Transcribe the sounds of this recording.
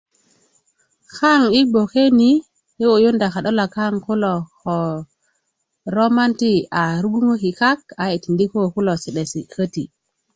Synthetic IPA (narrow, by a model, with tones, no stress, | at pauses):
xa˦˨ŋi˦ɡ͡bo˨ke˦ni˦ | i˦o˨jo˦nda˨xa˨ɗo˦la˨ka˦ŋku˦lo˨xo˨ | ɾo˦ma˦nti˦a˨ɾu˦ɡu˦ŋo˦ki˨ka˦ka˨i˨ti˨ndi˦ko˦˨ku˦lo˨si˨ɗe˨si˨kə˦ti˨